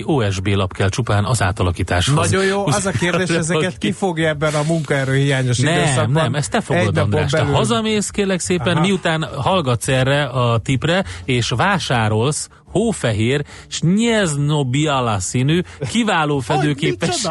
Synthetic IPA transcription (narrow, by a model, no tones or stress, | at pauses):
oːɛʒbeːlɒpkɛlt͡ʃupaːnɒza̰ːt̪ɒlɒkiːt̪a̰ːʃhzojoːɛzɒkeːrd̪eːɛzɛɛt̪kifoɡjɛbːɛnɒmuŋkɔɛɾøːhijaːɲoʃnɛmnɛmɛst̪ɛfoɡod̪nd̪oaːʃt̪ɛɦɒzɒmeːskeːrlɛkseːpɛnmiut̪aːnhɒlɡɒt̪sɛrːɛɒt̪iprɛeːʃʋaːʃaːɾo̞ls | hoːfɛɦeːr | ʃɲɛznobialasinykivaːloːfɛd̪øːkeːpɛʃ